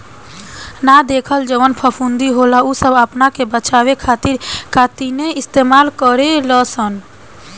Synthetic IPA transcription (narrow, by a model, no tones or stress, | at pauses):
nad̪eːkʰəld͡ʒəwənpʰəpʰund̪iɦolausəbəpnakebət͡ʃaːwekʰaːt̪ɪɾkat̪ineɪst̪eːmaːlkəɾeləsən